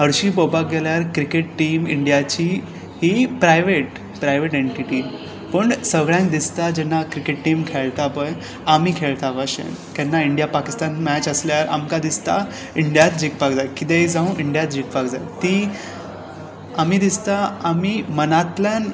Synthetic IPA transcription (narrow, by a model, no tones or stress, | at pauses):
ɦəɾɕiːpopak̚ɡɛljaɾkɾikeʈʈiːmiɳɖijat͡ɕi | hipɾajʋeʈ | pɾajʋeʈeɳʈiʈiːm | pəɳsəɡɭjãŋk̚d̪ist̪ad͡ʑɛnːakɾikeʈʈiːmkʰeɭt̪apəj | amiːkʰeɭt̪aʋaɕḛ̃n | k̪ɛnːaiɳɖijapakist̪anmɛt͡ɕəsljaɾa̰mkad̪ist̪a̰ | iɳɖjat̪̚d͡ʑik̚pakd͡zajkit̪ẽd͡zãũʔiɳɖijat̪̚d͡ʑik̚pakd͡zajt̪iː | amid̪ist̪aamiːmənat̪ljan